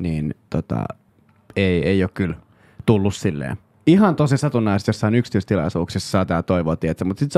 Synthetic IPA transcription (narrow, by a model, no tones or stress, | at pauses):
niːnt̪ot̪ɑ̰ | eieiokkyl | t̪ulːussilːḛː | iɦɑnt̪osisɑt̪unːɑiset̪josːɑinyksi̥t̪yˑst̪ilɑ̰isuːksissɑːt̪ɑːt̪oiʋoːt̪iet̪semut̪sit̪s